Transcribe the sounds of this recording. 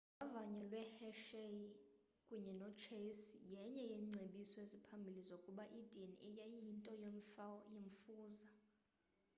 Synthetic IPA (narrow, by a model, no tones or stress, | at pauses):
avaɲɛlwɛhɛʃe | kʼuɲɛnɔt͡ʃʰesjɛɲɛjeŋ͡ǀʱeɓisɔezipʰambʱilizokʼuɓaʔid̥ʱinɛjaintʼɔjoɱfajeɱfuːza